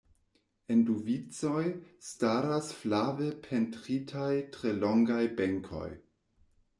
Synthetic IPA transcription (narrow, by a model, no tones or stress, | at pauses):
enduvit͡sojstaɾasflavepʰentɾitʰajtɾeloŋɡajbeŋkʰo̞̰j